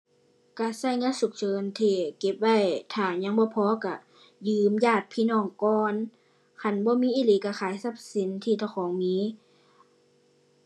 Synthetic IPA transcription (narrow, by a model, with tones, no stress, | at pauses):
ka˧˩sa˧˩˨jŋaː˧˥˨nsu˨˧˦k̚t͡ɕʰɤː˧nt̪ʰiː˧˩ke˧˦p̚wa˧˩˨jt̪ʰaː˧˩ɲa˧˥ŋbɔː˧˦pʰɔː˧˦ka˧˩ | jɯː˧mjaː˧˩t̪̚pʰiː˧˨nɔː˧˩ŋkɔː˧n | kʰa˧˨nbɔː˧˦miː˧˥ʔiː˧˥˨liː˧˨˦ka˧˩xʰaː˨˦jsa˧˦p̚si˨˦nt̪ʰiː˧˩t̪ʰa˧˩wxʰɔː˨˦ŋmiː˧˦˥